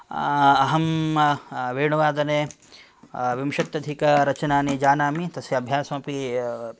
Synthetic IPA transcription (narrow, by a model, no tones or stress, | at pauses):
ɐɦɐm | ʋeːɳuʋaːd̪ɐneː | ʋimʃɐt̪ːjɐd̪ʱikɐɾɐt͡ʃɐnaːnid͡ʒaːnaːmit̪ɐsjɐɐbʱjaːsɐmɐpi